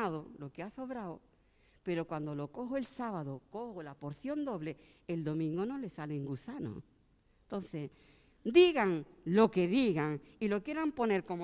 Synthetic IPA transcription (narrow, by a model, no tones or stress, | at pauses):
aðolo̞keaso̞βɾaw | pe̞ɾo̞kwand̪olo̞ko̞xoe̞lsaβaðoko̞holapo̞ɾθjo̞nd̪o̞βle̞eld̪o̞mĩŋɡonole̞saleŋɡusano̰ | nt̪o̞n̟θe̞ | d̪iɣaŋlo̞ke̞ðiɣaŋilo̞kje̞ɾampo̞ne̞ɾko̞m